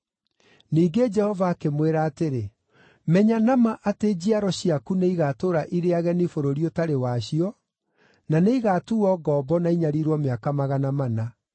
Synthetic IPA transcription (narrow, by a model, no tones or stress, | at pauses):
niːɡed͡ʒɛhɔvaːkemweɾaːteɾe | mɛɲanamaʔated͡ʑiaɾɔɕiakuneiɣatoːɾaʔiɾeaɣɛnifoɾoɾiɔtaɾewaɕiɔ | naneiɣatuɔːɡɔːbɔnaiɲaɾiɾwɔmeakamaɣanamana